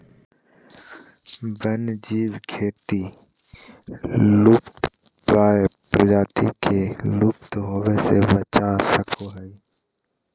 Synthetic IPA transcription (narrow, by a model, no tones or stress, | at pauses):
bənd͡ʒiːʋkʰeːt̪i | luːpt̪ | pɾaːjpɾəd͡ʒaːt̪ikʰeluːpt̪ɦoːʋesḛbət͡ʃasəkʰoɦəi